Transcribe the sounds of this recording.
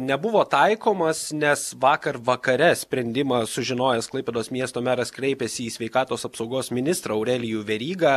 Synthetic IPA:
nʲɛbʊʋoːt̪ɐɪkoːmɐsnʲɛsʋɑːkɐrʋɐkɐɾʲɛsʲpʲɾʲɛnʲd̪ʲɪmɐsʊʒʲɪnoːjɛsklˠɐɪpʲeːd̪oːsmʲiɛst̪oːmʲæːɾɐskɾʲɛɪpʲɛsʲɪːsʲʋʲɛɪkɑːt̪oːsɐpsɐʊɡoːsmʲɪnʲɪst̪ɾɑɐʊɾʲɛlʲɪjuːʋʲɛɾʲiːɡɑː

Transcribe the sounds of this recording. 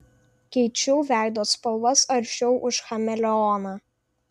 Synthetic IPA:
kʲɛɪt͡ʃʲɛʊʋʲæˑɪd̪oːspɐlˠʋɐsɐɾʲʃʲɛʊʔʊʃxɐmʲɛlʲɛɔnɑː

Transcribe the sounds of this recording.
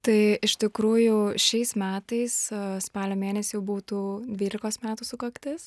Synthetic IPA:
t̪ɐɪɪʃt̪ʲɪkɾuːjʊʃʲɛɪsmʲæːt̪ɐɪsspɑːlʲoːmʲeːnʲɛsʲɪjɛʊbuːt̪uːd̪ʲʋʲiːlʲɪkoːsmʲæːt̪usʊkɐkt̪ʲɪs

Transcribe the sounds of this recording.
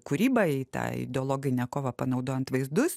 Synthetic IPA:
kuɾʲibɐit̪ɑ̰ɪ̰d̪ʲɛɔːlˠoːɡʲɪnʲɛkoːʋɐpɐnɐʊd̪oːjɛnt̪ʋɐɪzd̪ʊs

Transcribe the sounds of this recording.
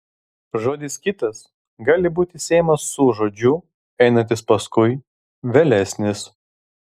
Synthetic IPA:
ʒoːd̪ʲɪskʲɪt̪ɐs | ɡɑːlʲɪbuːt̪ʲɪsʲɛɪmɐsːʊʒoːd͡ʒʲʊ | ɛɪnɐnʲt̪ʲɪspɐskʊɪ | ʋʲɛlʲɛsʲnʲɪs

